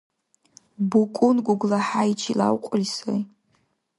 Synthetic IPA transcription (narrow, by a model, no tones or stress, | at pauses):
bukʷʼʊnɡʷʊɡʷlaħait͡ʃʰila̰wqʷʼʊlsoj